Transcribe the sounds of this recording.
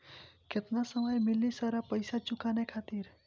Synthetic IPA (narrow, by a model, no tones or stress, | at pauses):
ket̪nasəməjmilːisəɾapəjsat͡ʃukanekʰat̪iɾ